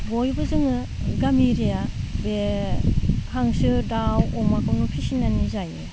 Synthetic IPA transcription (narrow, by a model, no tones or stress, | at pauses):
bojbɯzɯŋɯ | ɡamiɾijabe | hʰaŋsɯdawɔmakʰɯwnupʰisinanizaje